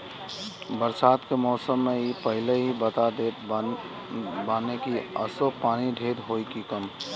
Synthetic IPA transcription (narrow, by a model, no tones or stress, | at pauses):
bəɾsaːt̪kemɔːsəmːeipəɦɪleɦibət̪ad̪eːt̪ | baːnekiə̰sopaːniɖʱeːd̪ɦoːikikəm